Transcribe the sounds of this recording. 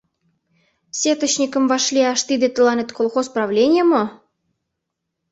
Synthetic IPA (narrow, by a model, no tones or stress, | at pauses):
sʲet̪ə̆t͡ɕnʲikə̆mvɑʃlʲiɑʃt̪id̪ĕt̪ə̆lɑnʲet̪kolˠxosprɑvlʲenʲjemɤ